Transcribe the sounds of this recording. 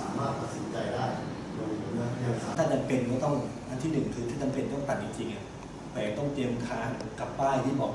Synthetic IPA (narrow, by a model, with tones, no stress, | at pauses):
saː˩˦maː˥˩t̪̚pa˧t̪̚si˨˩˦nt͡ɕa˧jdaː˥˩j | o˧li˧˩pʰu˧˥na˥˩i˥˩˨a˨˦t̪ʰaː˥˩t͡ɕa˧mpe˧nkɔː˥˩t̪ɔ˥˩ŋʔa˧nt̪ʰiː˥˩nɯ˨˩ŋkʰɯː˧t̪ʰaː˥˩t͡ɕa˧mpe˧nk̪ɔ˥˩ŋpa˨˩nt͡ɕi˧ŋt͡ɕi˧ŋʔa˨˩ | pʰɔː˧˩ja˧˩t̪ɔ˥˩ŋt̪i˧əmk̪ʰaː˩˥nka˨˩p̚ːaː˥˩jt̪ʰiː˥˩bɔː˨˩k̚